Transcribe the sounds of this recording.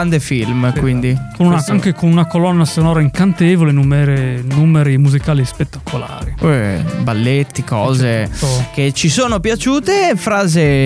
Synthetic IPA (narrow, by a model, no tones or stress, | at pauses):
and̪efilmkwind̪ikonunaaŋkekonunakolɔnːasonɔːɾaiŋkant̪ɛːvolenumeɾenumeɾimuzikaːlispet̪ːakʰola̰ːɾiɛbalːet̪ːikɔːzeket͡ʃisoːnopjat͡ʃuːt̪efɾaːze